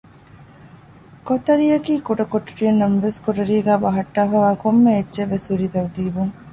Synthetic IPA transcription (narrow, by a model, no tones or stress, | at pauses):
kot̪ɐɾijɐkiːkuɖɐkoʈɐɾijɐnːɐmɐʋeskoʈɐɾiːɡæːʋɐɦɐʈːaːfaːʋaːkomːeːt͡ʃːt͡ʃeʋːesuɾid̪ɐɾd̪iːbuŋ